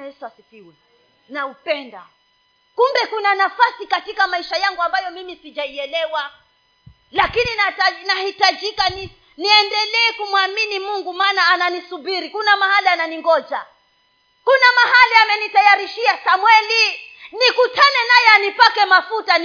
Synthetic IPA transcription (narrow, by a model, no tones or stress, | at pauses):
ɛsasikiwɛ | naupɛnda̰ | kumbɛkunanafasikatikamaiʃajaŋɡuambajɔmimisid͡ʒaiɛlɛwa | lakininaanahitad͡ʒikani | niɛndɛlɛːkumwaminimuŋɡumaːnaːnanisubiɾikunamahaliananiŋɡɔd͡ʒa | kunamaɦaliamɛnitajaɾiʃiasamwɛlinikutʰanɛnajɛanipakɛmafuta